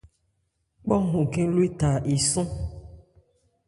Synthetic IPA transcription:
k͡pɔ˦ŋũ˨kẽ˦lu˦e˦t̪a˨ʔe˨sũ˦

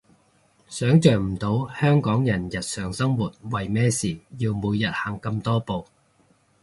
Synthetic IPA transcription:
sœː˨˥ŋt͡ʃœː˨˩ŋm̩˨˩t̪o˨˥whœː˥ŋkɔː˨˥ŋjɐ˨˩njɐ˨t̚sœː˨˩ŋsɐ˥ŋwuː˨˩t̚wɐ˨jmɛː˥siː˨˩jiː˧wmuː˨˧jɐ˨t̚haː˨˩ŋkɐ˧mt̪ɔː˥po˨˧w

